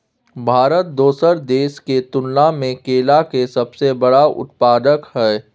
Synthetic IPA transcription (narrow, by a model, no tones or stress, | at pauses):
bʱaːɾət̪̚d̪oːsəɾd̪eːʃket̪ʊnlamẽkeːlakesɐbsebəɽaʊ̰t̪̚paːd̪əkhɛː